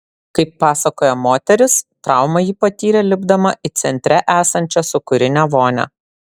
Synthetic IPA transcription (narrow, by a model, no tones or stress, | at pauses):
kɐɪpːɑːsɐkoːjɛmoːt̪ʲɛɾʲɪst̪ɾɑˑʊmɐjiːpɐt̪ʲiːɾʲɛlʲɪbd̪ɐmɐʔɪt̪sʲɛnʲt̪ʲɾʲɛʔæːsɐnʲt͡ʃʲɛsʊkʊɾʲɪnʲɛʋoːnʲɛ̰